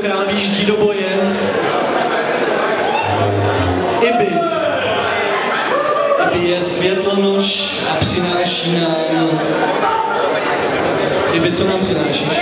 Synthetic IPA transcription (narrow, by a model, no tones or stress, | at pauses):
kɾaːlviʒɟiːdobojɛ | ɪbɪ | abɪjɛsvjɛt̪lɛnoʃ | apr̝̥ɪnaːʃiːnajɛdno | ɪbɪt͡somampr̥ɪnaːʃiʃ